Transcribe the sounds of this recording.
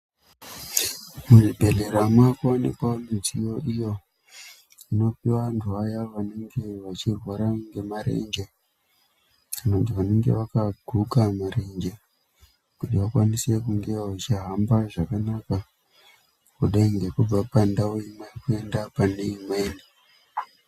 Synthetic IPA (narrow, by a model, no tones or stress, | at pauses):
muribʱe̞ɮeɾamwakuonḛkwamizijo̞ʔijo̞ | ino̞piwantʰuajaʋane̞ŋɡe̞ʋat͡ʃirwaɾaŋɡe̞maɾe̞̰ɲd͡ʒe | kanontiʋane̞ŋɡe̞̰ʋakaɡʱukamaɾe̞ɲd͡ʒe | kutiʋakwanise̞kuŋɡe̞aut͡ʃiɦambaʐakanaka | kuɗaiŋɡe̞kub͡vapandaoimajkue̞ndapaneimeni